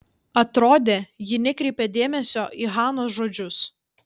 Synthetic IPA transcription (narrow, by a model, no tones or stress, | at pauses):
ɐt̪ɾoːd̪ʲeːjɪnʲɪkɾʲɛɪpʲeːd̪ʲeːmʲɛsʲoːʔiːɦɑːnoːsʒoːd͡ʒʲʊs